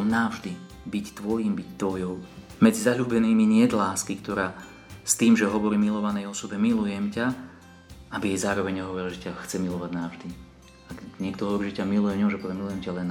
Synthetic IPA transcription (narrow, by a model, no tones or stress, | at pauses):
mnavʒd̪i | bict̪ʋɔjiːmbict̪ʋɔjɔʊ | mɛd͡zizaʎuːbɛniːmiɲɪɛd̪laːskikt̪ɔɾaː | st̪iːmʒɛɦɔʋɔɾiːmilɔʋanɛjɔsɔbɛmilujɛmca | abiɛjzaːɾɔʋɛɲɲɛɦɔʋɔɾilʒɛcaxt͡sɛmilɔʋaɟnaʊʒd̪i | aɲɪɛkt̪ɔɦɔʋɔɾiːʒɛcamilujɛmɲɛʒɛpɔʋɛmilujɛmcalɛn